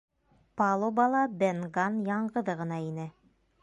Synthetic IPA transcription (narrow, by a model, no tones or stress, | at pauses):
pɑlˠobɑlˠɑbenɡɑnjɑɴɢɤ̆ðɤʁɤ̆nɑinɘ